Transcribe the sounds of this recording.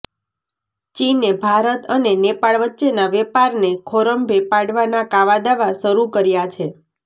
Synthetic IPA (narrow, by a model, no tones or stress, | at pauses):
t͡ʃinebʱaɾət̪ənenepaɭʋətːʃenaʋɛpaɾnekʰoɾəmbʱepaɽʋanakaʋad̪aʋaʃəɾukəɾjat͡ʃʰe